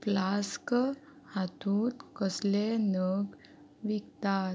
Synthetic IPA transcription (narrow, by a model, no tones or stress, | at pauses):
plask | hat̪ũt̪kəslenəɡ | ʋikt̪a